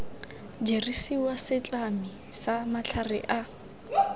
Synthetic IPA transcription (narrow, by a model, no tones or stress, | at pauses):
d͡ʒerisiwasɪt͡ɬʼami | samat͡ɬʰarɪ̰ʔa